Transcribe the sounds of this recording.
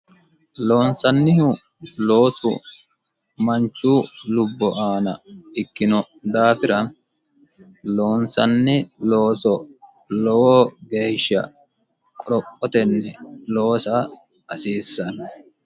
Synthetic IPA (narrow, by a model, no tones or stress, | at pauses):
lo̞ːnsɐnːɪhʊ | lo̞ːsʊ̰ | mɐɲt͡ʃːuːlʊbːɔʔaːnɐɪkːɪnɔ | d̪aːfɪɾɐ | lo̞ːnsɐnːɪloːsɔ | lɔwɔɡe̞ːʃːɐ̰ | kʼɔɾɔpʼːɔt̪ɛnːɛlo̞ːsa | ɐsiːsːɐnɐ